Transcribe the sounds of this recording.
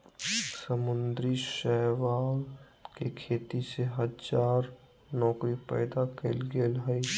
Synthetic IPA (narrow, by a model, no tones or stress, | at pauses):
səmʊnd̪ɾiʃɛɦʋaːl | kekʰeːt̪iseɦəd͡ʒaːɾ | nɔːkɾipɛ̰ːd̪akelɡeːlɦəi